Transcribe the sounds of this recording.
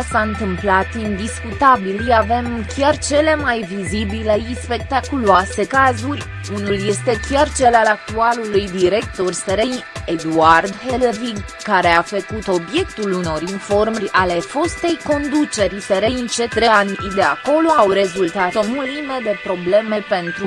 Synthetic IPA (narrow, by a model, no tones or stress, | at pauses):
saɨnt̪ɨmplat̪ind̪iskut̪abiljave̞mkʲart͡ʃe̞le̞majvizibile̞ispe̞k̚t̪akuluase̞kazurʲ | unulje̞st̪e̞kʲart͡ʃe̞lalak̚t̪ualulujd̪iɾe̞k̚t̪o̞rʲseɾejed̪uard̪heleviɡ | kːaɾe̞afəkut̪o̞bje̞kt̪uluno̞rinfo̞rmrʲale̞fo̞st̪e̞jko̞nd̪ut͡ʃe̞ɾʲseɾejɨnt͡ʃe̞t̪ɾeand̪e̞a̰ko̞lo̞awɾe̞zult̪at̪omulimed̪e̞pɾo̞ble̞me̞pe̞nt̪ɾu